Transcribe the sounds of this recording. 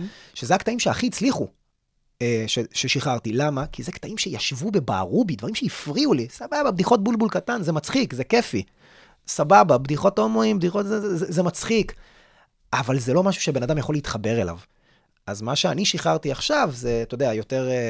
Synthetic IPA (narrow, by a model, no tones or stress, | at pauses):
ʃezeakt̪aimʃeaχiːt͡sliχu | eʃeʃeʃiχaʁt̪ilamakizektaimʃe̞jaʃvube̞ba̰ːʁubid̪vaʁimʃeifʁiulisabababd̪iχo̞t̚bulbulkatanzemat͡sχikze̞ke̞fi | sabababdiχo̞tomoimbd̪iχo̞tzeezemat͡sχik | avalze̞lo̞maʃu̥ʃebe̞nad̪amjaχo̞liit̪χabe̞ʁela̰v | azmaʃeaniʃiχaʁt̪iaχʃavze̞t̪od̪eajo̞te̞ʁ